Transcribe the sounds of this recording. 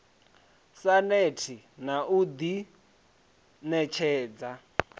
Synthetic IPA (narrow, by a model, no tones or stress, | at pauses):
sanetʰi | naʔud̪i | nɛt͡ʃʰɛːd͡za